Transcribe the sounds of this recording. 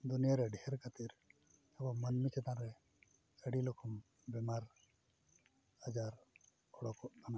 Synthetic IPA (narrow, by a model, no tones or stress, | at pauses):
d̪unijaɾɛɖɛhɛɾkat̪iɾ | ɛbɔmənmit͡ʃɛt̪ãɾɛ | əɽilɔkʰɔm | bɛmaɾ | ad͡ʒaɾ | ɔɽɔkɔʔkana